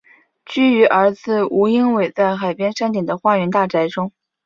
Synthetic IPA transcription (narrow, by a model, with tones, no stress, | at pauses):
t͡ɕy˥y˧˥ʔə˞˧˥t͡sɹ̩˥˩u˧˥i˥ŋwe˨˩ɪt͡sa˥˩ɪxa˨˩ɪpjɛ˥nʂa˥nt̪i˨˩ŋd̪ə˦xwa˥˩ɥɛ˧˥nt̪a˥˩ʈ͡ʂa˧˥ɪʈ͡ʂʊ˥ŋ